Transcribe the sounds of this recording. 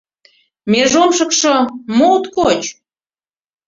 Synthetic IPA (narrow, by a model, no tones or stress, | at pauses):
meʒomʃɤ̆kʃomot̪kot͡ɕ